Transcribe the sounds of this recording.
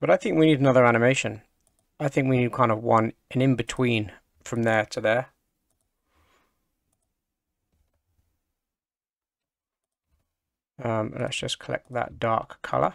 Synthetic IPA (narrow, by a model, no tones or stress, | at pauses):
b̥ʌɾaɪθɪ̃ŋkwiniɾənʌðə˞æñɨmeɪʃɨ̃n | aɪθɪ̃ŋkwinid̚kʰãɪ̃ndəvwʌ̃nɨ̃nɨ̃nbɨtʰw̥ĩn | fɹʌ̃mðə˞tʰɨðə˞ | ʌ̃mlə̰tsd̥ʒ̥ʌskʰəlɛ̰k̪̚ðə̰t̚d̥ɑ̰ɹkʰːʌ̰lˠə̰